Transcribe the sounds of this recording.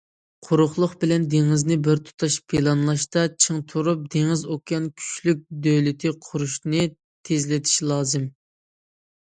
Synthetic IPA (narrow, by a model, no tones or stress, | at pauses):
qʰʊɾʊχlˠʊχbɪlɛnd̪eŋɪznɪbɪɾt̪ʰu̥t̪ʰɑʃpʰelˠɑnlˠɑʃt̪ɑt͡ʃʰɨŋt̪ʰuɾup̚d̪eŋɪzokɡɑnkʲʰy̥t͡ʃlyk̚ʲd̪øjlɪt̪ʰɪqʰʊɾuʃnɨ | t̪ʰezlɪt̪ʰi̥ʃlˠɑːzɨm